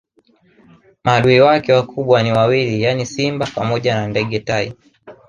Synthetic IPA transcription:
maɗuiwakɛwakʰuɓwaniwawilijanisimbapamɔʄanandɛɠɛtaḭ

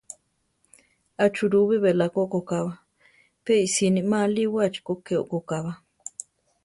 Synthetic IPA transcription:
at͡ʃuɾuβiβelakokokaβa | peisinimaliwat͡ʃi̥kokeo̰ʔkokaβa

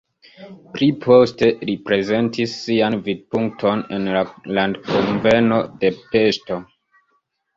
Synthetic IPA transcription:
pɾipʰo̞ste̞lipɾe̞ze̞ntisːianvid̚puŋk̚tʰo̞ne̞nlalandkonve̞no̞de̞pe̞sto̞

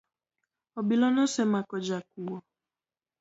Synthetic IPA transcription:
ɔbilɔnɔsɛmakɔd͡ʒak̚uwɔ

